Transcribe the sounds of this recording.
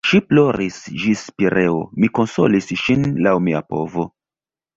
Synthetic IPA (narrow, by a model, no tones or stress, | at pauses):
ʃiplo̞ɾisd͡ʒispiɾʔeo̰miko̞nso̰lisʃinlawmia̰po̰vo̞